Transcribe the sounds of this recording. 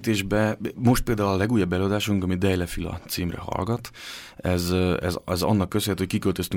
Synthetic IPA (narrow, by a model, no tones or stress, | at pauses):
t̪eːʒbɛmo̞ʃt̪̚peːld̪aːulɒlɛɡuːjɒbːɛløːɒd̪aːʃuŋkɒmid̪ɛjlɛfilɒ̰t̪siːmrɛ̰ɦɒ̰lɡɒt̪ɛzɛzɛzɒ̰nːɒkːøseɛt̪hockikølt̪øst̪y